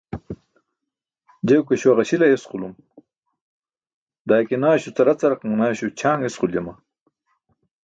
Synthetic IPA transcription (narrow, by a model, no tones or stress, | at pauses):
d͡ʑewkeɕuwaʁɐɕilɐesqulum | d̪aːjkinaːɕut͡sɐɾɐt͡sɐɾɐqaŋnaːɕut͡ɕʰaːŋesqulema